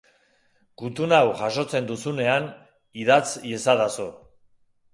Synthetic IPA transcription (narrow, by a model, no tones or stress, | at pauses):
kut̪unawʝaʃo̞t͡se̞nd̪usune̞an | iðat͡sjesaðaso